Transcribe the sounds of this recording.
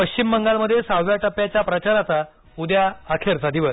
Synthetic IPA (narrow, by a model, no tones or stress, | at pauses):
pəkt͡ɕimːəŋɡalməd̪ʱːjesawʋjaʈəpːjat͡ɕjapɾət͡ɕaɾat͡sa | ud̪jaːkʰeɾt͡sad̪iʋəs